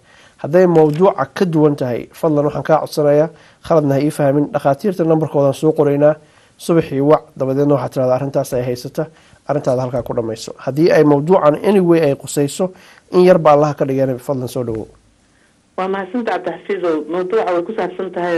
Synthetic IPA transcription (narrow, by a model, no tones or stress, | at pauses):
hɐd̪ɛjmɐwd̪uːʕɑ̰kʰɐd̪ʊwɐnt̪ʰɐɦɛ̰jfɐd̪lɐnwɑħɑːŋkʰaːʕɔ̰d̪sɐnɐjaː | χɐlɐd̪nɐɦɐiːfɐhɐmɪnɖɑχaːt̪ʰiːrt̪ʰɐnɐmbɐrkʰɔːðaːnsɔːqʊɾɛjnaː | sʊβɪħiːwɑʕd̪ɐβɛðɛːd̪nɐwɑħaːt̪ʰɪɾaːðɔːrɪnt̪ʰaːsɛjɦɛjsɐt̪ʰɐ | ʔɐrɪnt̪ʰaːðɐhɐlkʰaːkʰʊɖɐmɛjsɔ̰̥hɐd̪iːɛjmɐwd̪uːʕɑnʔɪnɪwɛjɛjqʊsɛjsɔ | ʔɪnjɐrbɐːlɐɦɐkʰɐɖɪɣɛːnɛfɐd̪lɐnsɔːɖɐwɔ̰ | wɑːmɐhasɐnt̪ʰɐʕɑb̚d̪aħfiːðɔmɐwd̪uːʕɑwɛjkʰʊsaːbsɐnt̪ʰɐɦɛ